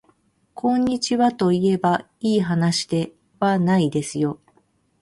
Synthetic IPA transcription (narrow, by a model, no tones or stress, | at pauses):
kʰõ̞ɲ̟ːit͡ɕiβat̪o̞ie̞ba | iːɦanaɕi̥d̪e̞ | βanaid̪e̞sɨjo̞